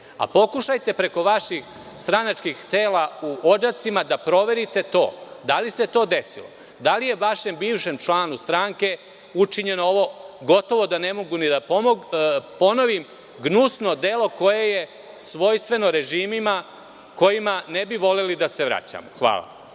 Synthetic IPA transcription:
a̰po̞kuʃajt̪e̞pɾe̞ko̞ʋaʃix | st̪ɾanat͡ʃkixt̪eːlauʔod͡ʒat̪simad̪apɾo̞ʋe̞ɾit̪e̞t̪o̞̰ːd̪alise̞t̪o̞ːd̪e̞sḭlo̞̰ | d̪alije̞uʋaʃe̞mbiːʋʃe̞mt͡ʂlaːnust̪ɾaːŋke̞ | ut͡ʂiɲe̞nooʋo̞ɡo̞t̪o̞ʋo̞d̪ane̞mo̞ɡunid̪apomopo̞no̞ʋim | ɡnusno̞d̪e̞lo̞ko̞je̞je̞ | sʋo̞jst̪ʋe̞no̞ɾe̞ʒiːmima | ko̞jimanebiʋo̞lelid̪ase̞ʋɾa̰t͡ɕa̰moxʋa̰ːla̰

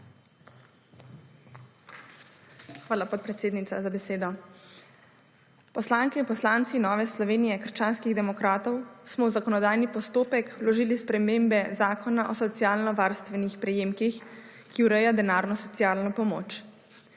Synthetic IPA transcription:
xʋaːlapɔt̪̚pɾɛt̪seːd̪nit̪azabɛseːd̪ɔ | pɔslaːŋkɛinpɔslant̪sinɔːʋɛslɔʋeːnijɛkəɾʃt͡ʃaːnskiɣd̪ɛmɔkɾaːt̪ɔwsmɔwzakɔnɔd̪aːjnipɔst̪oːpɛklɔʒiːlispɾɛmeːmbɛzaːkɔnaʔɔsɔt̪sijaːlnɔʋaːɾst̪ʋɛnixpɾɛjemkix | kiuɾɛjad̪ɛnaːɾnɔsɔt̪iaːlnɔpɔmo̰ːt͡ʃ

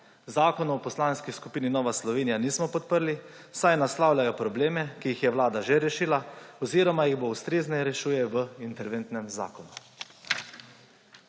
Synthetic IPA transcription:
zaːkɔnːpɔslaːnskiskupiːninɔːʋaslɔʋeːnijaniːsmɔpɔt̪̚pəɾli | sajnaslawlʲajɔpɾɔbleːmɛkijixjɛwlaːd̪aʒɛɾɛʃiːlaɔziɾɔmajiɣboust̪ɾeːznɛɾɛʃuːjɛʋəint̪ɛɾʋent̪nɛmza̰ːkɔnu

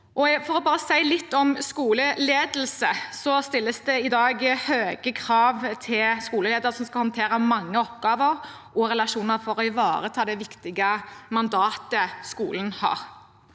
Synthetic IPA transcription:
ʔɔfɔɾɔbɑːɾəsæɪlɪt̪ːɔmskuːləleːd̪l̩səsɔst̪ɪlːəsd̪ɛɪd̪ɑːɡhøːɡəkʰɾɑːʋt̪ʰɪlskuːləleːd̪əɾəsɔmskɑlhɑnt̪ʰeːɾəmɑŋːəɔpɡɑːʋəɾ | ʔɔɾɛlɑʂuːnəɾfɔɾɔɪʋɑːɾət̪ʰɑːd̪ɛʋɪkt̪ɪɡəmɑnd̪ɑːt̪əskṵːlənhɑ̰ːʁ

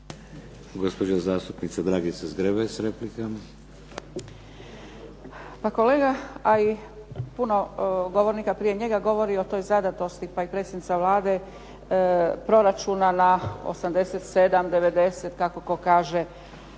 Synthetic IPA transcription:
ɡospod͡ʑazaːst̪upnit̪sad̪ɾaːɡisezɡɾebesɾeplikama | pako̞leːɡaaipuno̞ɡo̞ʋo̞ɾnikapɾijeɲe̞ɡaɡo̞ʋo̞ɾio̞t̪o̞jzad̪at̪o̞st̪ipaipɾet̪senit̪saʋlaːd̪e | pɾo̞ɾat͡ʃunanao̰samd̪e̞set̪sed̪amd̪e̞ʋe̞d̪e̞set̪kako̞ko̞kaːʒe

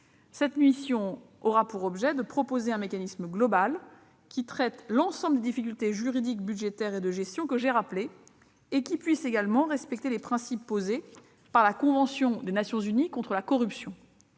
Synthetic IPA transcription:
sɛt̪nɥisjɔ̃ | ɔʁapuʁɔbʒɛd̪əpχɔpozeɛ̃mekanisməɡlɔbal | kʲit̪χɛt̪lɑ̃sɑ̃bləd̪ed̪ifikʲylt̪eʒyʁid̪ikbyd̪ʒet̪ɛʁed̪əʒɛst̪jɔ̃kəʒeʁapleː | kʲipɥiseɡalmɑ̃ʁɛspɛk̚t̪elepχɛ̃sipːoze | paʁlakɔ̃vɑ̃sjɔ̃d̪enasjɔ̃zynikɔ̃t̪χəlakɔʁypsjɔ̃

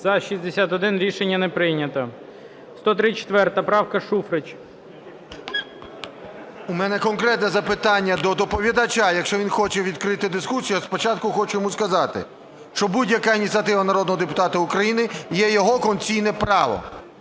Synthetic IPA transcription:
zɐʃizʲd̪esʲat̪ɔd̪ɪnɾʲiʃenʲːɐnɛpɾɪnʲɐt̪ɐ | st̪ɔt̪ɾɪt͡ʃe̥t̪ʋɛrt̪ɐpɾɑwkɐʃufɾɪt͡ʃ | umɛnɛkɔnkɾɛt̪nɛzɐpɪt̪ɑnʲːɐd̪ɔd̪ɔpɔʋʲid̪ɐt͡ʃajɐkʃt͡ʃɔʋʲinxɔt͡ʃɛʋʲid̪kɾɪt̪ɪd̪ɪskusʲijɐspɔt͡ʃɑt̪kʊxɔt͡ʃʊjɔmuskɐzɑt̪ɪ̰ | ʃt͡ʃɔbudʲjɐkainʲit̪t͡sʲiɐt̪ɪʋɐnɐɾɔd̪nɔɦɔd̪epʊt̪ɑt̪ɐʊkɾɐjinɪjɛjɔɦɔkɔnt͡sʲijnɛpɾɑʋɔ̰

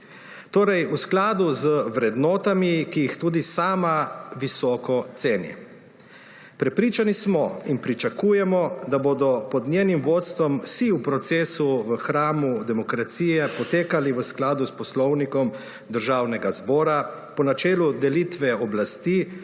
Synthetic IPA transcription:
t̪oːɾɛjusklaːd̪uzəʋɾɛd̪nɔːt̪amikijixt̪uːd̪isaːmaʋisɔːkɔt̪seːnjɛ̰ | pɾɛpɾiːt͡ʃanismɔinpɾit͡ʃakuːjɛmɔd̪aboːd̪ɔpɔd̪nʲjeːnimʋoːt̪st̪ʋɔmsiupɾɔt̪seːsuʋəxɾaːmud̪ɛmɔkɾat̪siːjɛpɔt̪eːkaliʋəsklaːd̪uspɔslɔwnikɔm | d̪əɾʒaːwnɛɡazbɔːɾa | pɔnat͡ʃɛːlud̪ɛlit̪ʋɛɔblast̪i

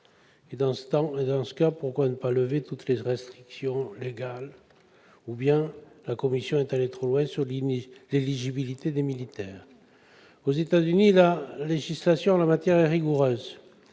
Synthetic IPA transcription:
ed̪ɑ̃sə̥t̪ɑ̃ed̪ɑ̃sə̥kapuʁkwanəpaləvet̪ut̪leʁɛst̪χiksjɔ̃leɡal | ubjɛ̃lakɔmisjɔ̃ɛt̪alet̪χolwɛ̃syʁlleliʒibilit̪ed̪emilit̪ɛːʁ | ozet̪azynilaleʒislasjɔ̃lamat̪jɛʁɛʁiɡuʁøːz

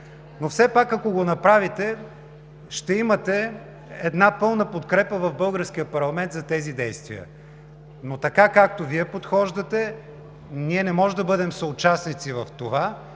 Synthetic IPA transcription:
nofsɛpakːɐkoɡonɐpɾavit̪ɛ | ʃt̪ɛimɐt̪ɛ | ɛd̪napɤlˠnəpot̪kɾɛpəvɐvbɤlˠɡəɾsk̟iəpɐɾlˠɐmɛnt̪zɐt̪ɛzid̪ɛjst̪vḭə̰ | not̪ɐkakak̚t̪oviɛpot̪xɔʒd̪ət̪ɛ | niɛnɛmɔʒɛd̪ɐbɤd̪ɛmsɐʊt͡ʃasnit̪sivɐft̪ova

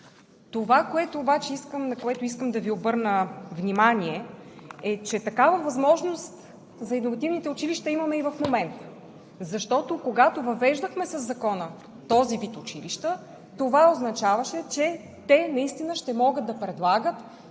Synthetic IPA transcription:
t̪ovakoɛt̪oːbat͡ʃɛiskəmnɐkoɛt̪oʊiskəmd̪ɐviobɤɾnəvnʲimanʲiɛɛt͡ʃɛt̪ɐkavəvɐzmɔʒnost̪ | zɐinovɐt̪ivnit̪ɛʊt͡ʃiliʃt̪ɐimɐmɛivɐfmomɛnt̪ə̥ | zɐʃt̪ɔt̪okoɡat̪ovɐvɛʒd̪əxmɛsɐzːɐkɔnə | t̪ɔzivit̪ʊt͡ʃiliʃt̪ə | t̪ovaoznɐt͡ʃavɐʃɛt͡ʃɛ | t̪ɛnɐist̪inəʃt̪ɛmɔɡəd̪̚d̪ɐpɾɛd̪lˠaɡət̪

